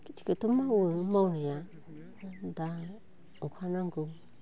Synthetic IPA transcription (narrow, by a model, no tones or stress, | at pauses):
kt͡ʃi̥kət̪umãwumãunija | nd̪a | okʷʰanãŋɡu